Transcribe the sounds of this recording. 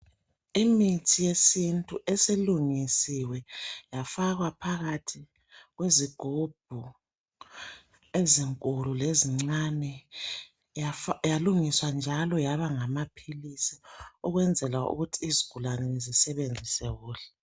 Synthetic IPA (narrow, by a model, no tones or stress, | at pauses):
imitʰijesintʼuʔesiluŋisiwɛjafaɣwapʰaɣatʰi | ɣweziɡ̥ʱub̥̚ʱu | eziŋkʼululeziŋ͡ǀanɛ | jaluŋiswand͡ʒʱalɔjaβaŋamapʰilisiuɣwɛnd͡zʱɛlwaʔṵɣutʰiːziɡ̥ʱulanɛzisɛβend͡zʱisɛɣuːlɛ